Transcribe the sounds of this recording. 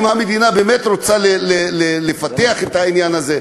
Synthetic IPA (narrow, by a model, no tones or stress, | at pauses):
mhamed̪inabeːmet̪ɾot͡salelelelefat̪eaχet̪hainjanaze